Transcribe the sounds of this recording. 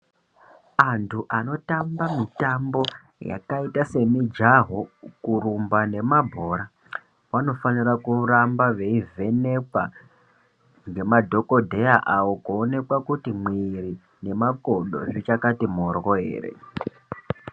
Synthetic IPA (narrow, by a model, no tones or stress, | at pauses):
antʰuʔano̞tambamitambo̞ | ja̰kaitase̞mid͡ʒaɦokuɾumbane̞mabʱo̞ːɾa | ʋano̞fanirakurambaʋe̞ive̞ne̞kwa | ŋɡe̞madʱo̞ko̞dʱe̞jaʔawo̞koːne̞kwakutimwiri | ne̞mako̞ɗo̞̰ʐit͡ʃakatimo̞rwoɦe̞̰ːre̞̰